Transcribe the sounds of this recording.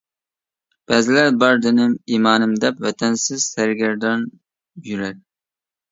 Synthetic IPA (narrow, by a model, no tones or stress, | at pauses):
b̥ɛːzɪlæɾbɑɾd̪enɪmiːmɑːnɨmd̪ɛpvɛt̪ʰɛnsɪz̥sæɾɡʲæɾd̪ɑn | jyɾæɾ